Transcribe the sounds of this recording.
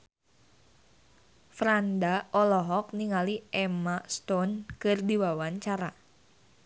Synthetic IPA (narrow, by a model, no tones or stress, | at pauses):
fɾandaɔlɔɦɔk̚niŋaliʔɛmast̪ɔnkɨrdiwawaɲt͡ʃaɾa